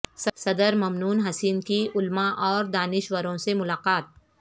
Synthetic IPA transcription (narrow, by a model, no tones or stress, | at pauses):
ssɐd̪əɾmɐmnuːnɦɐsiːnkiʊlmaʔɔːɾd̪aːnɪʃwəɾõsemʊlaːqaːt̪̚